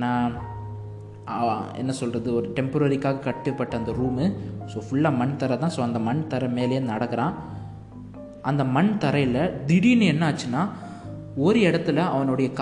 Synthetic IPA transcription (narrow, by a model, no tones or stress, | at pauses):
naː | ɛ̰nːɐsɔlrɐðɯɔɾɯʈɛmpɐɾɐɾɪkːaːɣɐkɐʈːɯpːɐʈːɐɐnd̪ɐɾuːmɯsoːfʊɭːaːmɐɳt̪ɐɾɐt̪ãːsoːɐnd̪ɐmɐɳt̪ɐɾɐmeːlɐjeːnɐɽɐkːɐɾãː | ʔɐnd̪ɐmɐɳt̪ɐɾɐjɪlɐd̪ɪɽinɯɛnːɐaːt͡ʃːɯnːaː | ɔɾɯɛɽɐt̪ːɯlɐɐʋɐnɔɽɐjɐk